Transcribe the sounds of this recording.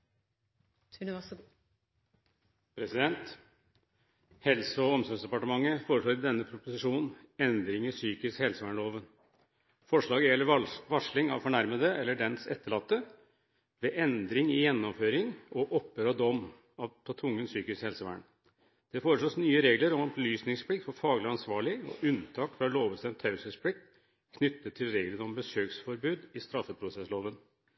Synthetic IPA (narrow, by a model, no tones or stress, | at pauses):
ʉn | pʰɾɛsɪd̪ɛnt̪ | hɛlsəɔɔmsɔnsd̪ɛpɑʈəmɑŋːəfoːɾəʂɭoːɾɪd̪ɛnːəpʰɾʊpʊsɪʂuːnn̩ɛnd̪ɾɪŋɪsyːkɪskhɛlsəʋæːɳɭoːʋən | fɔʂɭɑːɡəjɛlːəʋɑʂlɪŋɑ̰ʋfɔɳæɾməd̪əɛlːəɖɛnsɛt̪ːəɭɑt̪ːə | ʋɛʔɛnd̪ɾɪŋɪjɛnːɔmføːɾɪŋɔʔɔpːəɾɔd̪ɔm | ɑʋp̪ʰɑt̪ʰʊŋːənsyːkɪskhɛlsəʋæ̰ːɳ | d̪̥ɛfoːɾəʂɔsnyːəɾeːɡləɾɔmɔblyːsnɪŋspʰɽɪk̚t̪fɔɾfɑːɡlɪɑnsʋɑːɭɪɔ̰ʔʉnt̪ʰɑːkfɾɑloːʋəst̪ɛnt̪ʰːɑʉsəspʰlɪk̚t̪ | kʰnʏt̪ːət̪ʰːɪlɾeːɡlənɔmbəsøːksfɔɾbʉːd̪ɪst̪ɾɑfəpʰɾʊsɛsloːʋən